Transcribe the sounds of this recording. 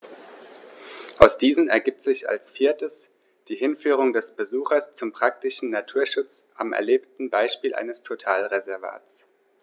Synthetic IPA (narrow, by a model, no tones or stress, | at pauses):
ʔaʊsd̥iːzn̩ɛ̰ɐɡiːp̚tz̥ɪça̰lsfiːɐtəs | d̥iːhɪnfyːʁ̞ʊŋdɛsb̥əzuːxɐst͡sʊmpʁ̥ak̚tɪʃn̩natʰuːɐʃʊt͡sʔa̰mʔɛ̰ɐleːptn̩baɪʃpiːlʔa̰ɪnəstʰotʰaːlʁezɛɐva̰ːt͡s